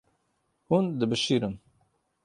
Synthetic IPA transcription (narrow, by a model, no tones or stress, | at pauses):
hund̪ɨbɨʃiːɾɨn